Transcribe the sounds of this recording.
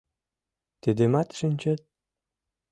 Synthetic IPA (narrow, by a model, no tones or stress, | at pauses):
t̪ed̪emat̪ʃɘ̆nʲt͡ɕet̪̚